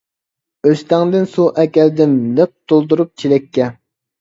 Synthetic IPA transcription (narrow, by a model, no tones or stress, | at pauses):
øst̪æŋd̪ɪnsuʔɛkʲɛld̪ɪnləq̚t̪ʰolˠd̪uɾup̚t͡ʃʰilɛkʲːɛ